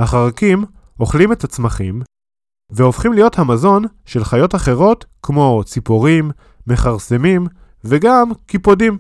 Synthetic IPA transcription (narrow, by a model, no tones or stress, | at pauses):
haχaʁakim | o̞χlimetat͡smaχḭm | veo̞fχimlijo̞thamazo̞nʃe̞lχajo̞taχe̞ʁo̞tkmo̞t͡sipoʁimː | e̞χaʁse̞mim | veɡamkipo̞dim